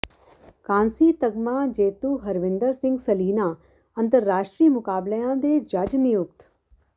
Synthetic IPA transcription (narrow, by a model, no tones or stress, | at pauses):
kãːnsiːt̪əɡmãːd͡ʒeːt̪uːɦəɾʋɪ̃nd̪əɾsɪ̃ŋɡsəliːnaː | ə̃nt̪əɾːaːʃʈɾiːmʊkaːbləjãːd̪eːd͡ʒɐd͡ʒnɪjʊk̚t̪